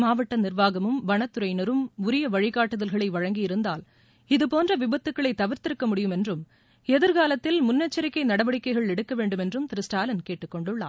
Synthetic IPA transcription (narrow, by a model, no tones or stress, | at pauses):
maːʋɐʈːɐnɪrʋaːɣɐmɯmʋɐɳɐt̪ːɯɾɐɪnɐɾɯmʊɾɪjɐʋɐɻɪɣaːʈːɯðɐlɣɐɭɐɪʋɐɻɐŋɡɪjɪɾɯnd̪aːl | ɪðɯpoːndrɐʋɪbɐt̪ːɯkːɐɭɐɪt̪ːɐʋɪɾt̪ɪɾɯkːɐmʊɽɪjɯmɛndrɯm | ɛðɪɾkaːlɐt̪ːɪlmʊnːɐt͡ʃːɐɾɪkːɐɪnɐɽɐʋɐɽɪkːɐɪɣɐɭɛɽɯkːɐʋeːɳɖɯmɛndrɯmt̪ɪɾɪsʈaːlɐnkeːʈːɯkːɔɳɖɯɭːaː